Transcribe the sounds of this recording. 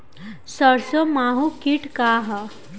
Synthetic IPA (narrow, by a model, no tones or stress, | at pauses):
səɾsəmaɦukiʈkaɦa